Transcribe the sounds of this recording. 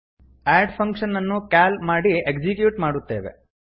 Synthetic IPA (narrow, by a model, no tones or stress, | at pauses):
aːɖpʰɐŋkʂɐnɐnːukaːlmaːɽiekd͡ʒikjuːʈmaːɽut̪ːeːʋḛ